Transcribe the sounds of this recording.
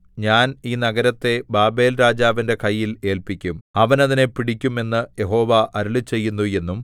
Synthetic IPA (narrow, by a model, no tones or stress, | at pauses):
ɲaːniːnɐɡɐɾɐt̪ːe̞baːbe̞ːlɾaːd͡ʑaːʋinde̞kʰɐjːile̞ːlpikʲːumɐʋɐnɐðine̞piɽikʲːume̞nːɨje̞ɦo̞ːʋɐʔɐɾulɨt͡ɕe̞jːunːuje̞nːum